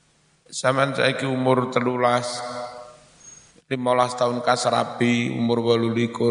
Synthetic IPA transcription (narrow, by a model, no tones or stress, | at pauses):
samansa̰ikiumʊrt̪əlulas | limolast̪aʊnkasaɾa̰biṵmʊrwalulikʊ